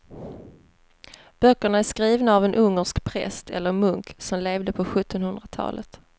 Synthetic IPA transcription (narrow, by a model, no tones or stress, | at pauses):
b̥œkːəɳaæʂkɾiːvnaːvɛnʔɵŋːəʂkpʰɾɛ̰st̪ʰɛ̰lːəɾmɵŋksɔmleːvd̪əpʰɔɧɵt̪ːɔnhɵnd̪ɾat̪ʰɑ̰ːlʔə̰t̪